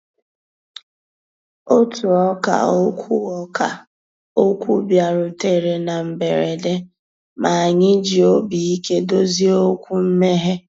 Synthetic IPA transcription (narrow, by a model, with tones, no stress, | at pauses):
o˦tu˨ɔ˦ka̰˨o˦kʰʷu˦ɔ˦ka̰˨ | o˦kʷu˦bja˨ɾʊ˨te˦ɾe˨na˨m̩˨be˨ɾe˨de˦ | ma˨a˨ɲɪ˦d͡ʒi˨o˦bi˨i˦ke˦do˦zi˦o˦kʷu˦m̩˦me˦ɦe˦